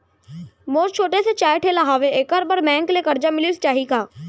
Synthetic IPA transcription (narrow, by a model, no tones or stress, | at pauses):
moːɾt͡ʃʰoːʈeset͡ʃaːjeʈʰelaɦaːʋekəɾbəɾmɛ̃ːnkelekɐɾd͡ʒamɪlist͡ʃaːɦikaː